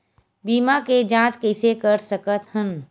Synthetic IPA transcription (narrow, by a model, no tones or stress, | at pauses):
biːmaked͡ʒãːt͡ʃkɛːsekəɾsəkət̪hən